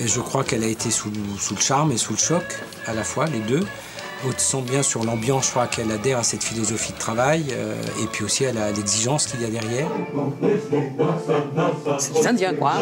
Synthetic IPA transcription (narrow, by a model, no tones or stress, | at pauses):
eʒəkχwakɛlaet̪ʰesusuləʃaʁmesuləʃɔk | alafwaled̪ø | ot̪sɑ̃bjɛ̃syʁlɑ̃bjɑ̃skχwakɛlad̪ɛʁasɛt̪filɔzɔfid̪ət̪χavajø̰ḛpɥiosialalɛɡziʒɑ̃skʲiljad̪ɛʁjɛːʁ | sɛ̥t̪ezɛ̃d̪jɛ̃kwa